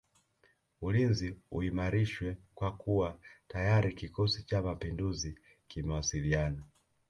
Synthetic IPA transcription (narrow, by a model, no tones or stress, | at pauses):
ulinziṵimaɾiʃwɛkwakuwatajaɾikikɔsit͡ʃamapinduzi | kimɛwasiliana